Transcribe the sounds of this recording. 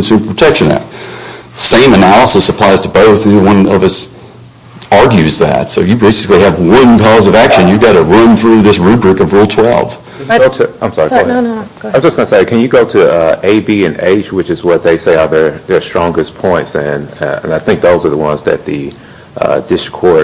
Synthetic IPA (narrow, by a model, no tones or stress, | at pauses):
nsʉpʰɹ̥ətʰɛkʃɨ̃nɨ̰t̪̚ðəsẽɪ̃mɨnælˠəsəsəpʰl̥aɪz̥tʰəboʊθwʌ̃nʌvʌs | ɑɹɡjʉzðæ̰tsoʊjɨbeɪsɨ̥kliɨvwʌ̃nkʰɔzʌvækʃɨ̃njɨɡɑɾɨɹʌ̃nθɹʉðɪsɹʉbɹɨkʌvɹulˠtʰw̥ɛ̰lˠv̥ | oʊɨãɪ̃msɑɹiɡ | aɪmd͡ʒʌsɡ̥ʌnəseɪkʰɨ̃njɨɡoʊɾɨʌeɪbiɨ̃nḛɪt͡ʃwɨt͡ʃɨzwʌt̪̚ðeɪseɪəðə˞ðə˞stɹ̥ɔ̃ŋɡɨspʰɔ̃ɪ̃ntsɨ̃nɨ̰̃naɪθɪ̃ŋk̚ðoʊzə˞ðəwʌ̰̃nzðɨ̰t̪̚ðɨ | ʔʌ̰d̥ɪskʰɔɹ